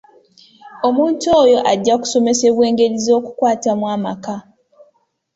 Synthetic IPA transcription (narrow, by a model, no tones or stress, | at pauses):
o̞muːntoːjo̞ʔaɟːaku̥so̞me̞se̞βwe̞ːŋɡe̞ɾizo̞ːku̥kwaːtamwaːmaka